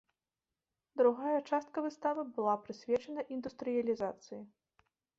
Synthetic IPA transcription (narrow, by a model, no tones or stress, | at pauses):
d̪ɾuɣajɐt͡ʂast̪̚kɐvɨst̪avɨbɨlˠapɾɨsʲvʲɛt͡ʂɐnɐʔind̪ust̪ɾɨjɐlʲizat̪sɨji